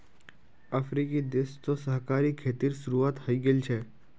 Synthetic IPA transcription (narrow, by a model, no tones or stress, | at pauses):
əfɾikid̪est̪osəɦkaːɾiːkʰːeːt̪iːɾsuɾuat̪həiɡelt͡ʃʰe